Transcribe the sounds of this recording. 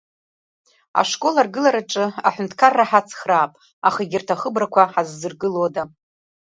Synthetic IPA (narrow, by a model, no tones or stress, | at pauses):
a̰ʂkʼo̞larɡɨlaɾaʈ͡ʂʼɨa̰ħʷʊntʰkʰarːaħat͡sʰχraːpʼ | aχaɡʲɪrtʰaχəbrakʷʰaħazːɨrɡɨloda